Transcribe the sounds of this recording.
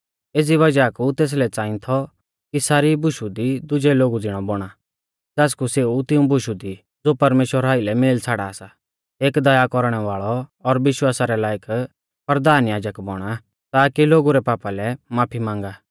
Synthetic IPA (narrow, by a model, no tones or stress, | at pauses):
eːd͡ziʋɐd͡ʒakut̪eːs̬lɛt͡saːɪ̃t̪ʰɔ | kisaːɾibʱʊʃud̪id̪ʊd͡ʒɛloːɡud͡zɪɽ̃ɔbɔɽ̃a | d͡zɛːskuseut̪ɪũbʊʃud̪i | d͡zoːpɐɾmeːʃwəɾaːɪlɛmeːlt͡sʰaːɽaːsa | eːkd̪ɐjakɔɾɽ̃ɛʋaːɭɔɔɾʋɪʃwaːsaɾɛlaːjək | pɐɾd̪aːnjaːd͡ʒəkbɔɽ̃a | t̪aːkiloːɡuɾɛpaːpalɛmaːpʰimãːŋɡaː